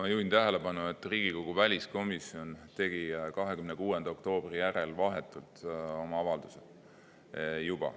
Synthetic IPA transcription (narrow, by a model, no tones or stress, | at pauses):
ɑjuːhint̪æɦe̞le̞pɑnue̞t̪ːˑriːɡ̥iko̞ɡ̥uvælʲisko̞misio̞nt̪e̞ɡ̥ikɑɦe̞kymnekuːe̞nd̪̥ɑo̞kt̪o̞ːb̥rijæɾe̞lvɑɦe̞t̪ːˑult̪o̞mɑɑvɑld̪̥use | jub̥ɑ̰